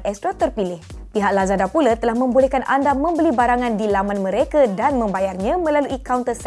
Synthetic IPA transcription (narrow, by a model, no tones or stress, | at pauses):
ʔɛst̪ɾot̪ərpilɪh | piɦaʔ̚lazadapulat̪əlahmə̃mbulɛhkanʔandamə̃mbəlibaɾaŋãndilamanmə̃ɾekadanmə̃mbajarɲãmə̃laluʔikawnt̪əsɛ